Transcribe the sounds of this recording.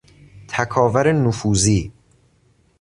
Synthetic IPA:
t̪ʰækʰɒːvæɾenufuːziː

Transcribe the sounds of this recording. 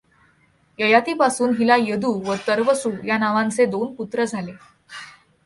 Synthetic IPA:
jəjat̪iːpasuːnɦilajəd̪uːʋət̪əɾʋəsuːjanaʋãnt͡sed̪onput̪ɾəd͡zʱale

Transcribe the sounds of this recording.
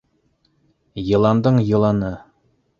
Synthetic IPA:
jɤ̆lˠɑnd̪ɤɴjɤ̆lˠɑnɤ

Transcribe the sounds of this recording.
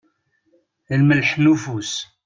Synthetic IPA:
əlməlħnufus

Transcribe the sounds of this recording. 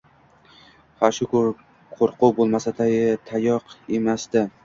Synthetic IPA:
haʃʊkʊɾ | qʰoɾqʊbolˠmasat̪ʰajɪt̪ʰajɒqemasd̪ɪ

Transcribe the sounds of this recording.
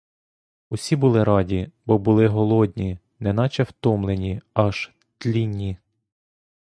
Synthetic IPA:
usʲibʊlˠɪɾɑdʲibɔbʊlˠɪɦɔlˠɔd̪ʲnʲi | nɛnɑt͡ʃɛwt̪ɔmlˠenʲiɑʒ̥ | t̪lʲinʲːi

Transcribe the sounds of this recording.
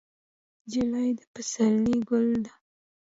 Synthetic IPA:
d͡ʒilajd̪əpasalniɡʊld̪a

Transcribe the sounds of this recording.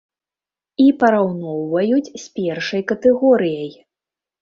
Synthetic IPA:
ipɐɾawnɔwvɐjut͡sʲsʲpʲɛrʂɐjkɐt̪ɛɣɔɾɨjɐj

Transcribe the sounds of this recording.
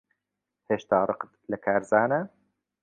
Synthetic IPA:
heːʃt̪aːrˤɨqə̥t̪lɐkʰaːɾzaːnɐ

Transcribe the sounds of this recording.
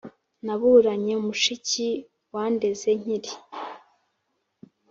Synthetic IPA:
naβuɾaɲe̞umuʃici | waːnde̞ze̞ɲ̥iɾi

